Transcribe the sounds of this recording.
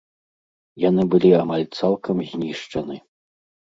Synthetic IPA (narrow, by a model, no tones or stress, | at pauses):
jan̪ɨbɨlʲiamalʲt̪salˠkʰɐmzʲnʲiʂt͡ʂɐnɨ